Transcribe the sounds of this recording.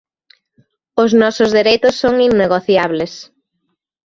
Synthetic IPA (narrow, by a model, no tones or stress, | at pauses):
ʊznɔsʊzðeɾejt̪ʊsːoŋinːeɣoθjaβles